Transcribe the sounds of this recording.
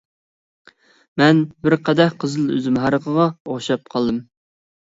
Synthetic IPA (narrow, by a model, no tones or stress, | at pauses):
mɛnbɪɾqʰæd̪ɛhqʰəzɨlˠø̰zymɦɑɾəqʰəʁɑoχʃɑp̚qʰɑlˠd̪ɨm